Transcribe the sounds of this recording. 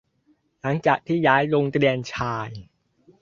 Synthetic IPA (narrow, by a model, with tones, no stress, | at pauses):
la˩˦ŋt͡ɕaː˨˩k̚t̪ʰiː˥˩jaː˦˥jlo˧ŋt̪ɾi˧ənt͡ɕʰaː˧j